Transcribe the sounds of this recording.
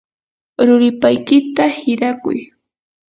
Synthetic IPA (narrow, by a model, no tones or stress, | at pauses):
ɾʊɾɪpajkɪt̪ahɪɾakʊ̰j